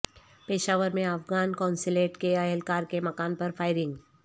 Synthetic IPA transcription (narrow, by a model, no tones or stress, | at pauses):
peːʃaːʋəɾmẽɐfɡaːnkãːnsɪleːʈkeɐɦɛlkaːɾkemɐkaːnpɐɾfʰaːɪɾɪ̃ŋɡ